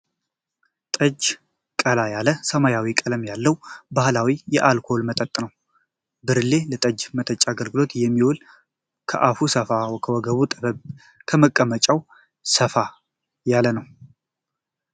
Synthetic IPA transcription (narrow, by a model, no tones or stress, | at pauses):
t̪ʼəd͡ʒ | kʼəlajaləsəmajawikʼələmjalːəwbahɨlawijɛʔalkʰo̞lmət̪ʼət̪ʼnəw | bɨɾle̞lət̪ʼəd͡ʒmət̪ʼət͡ʃʼːaɡəlɡɨlo̞t̪jɛmːiwɔl | kʰəʔafusəfawkʰəwɔɡəβut̪ʼəβəb | kʰəməkʼːəmət͡ʃʼaw | səfa | jalːənəw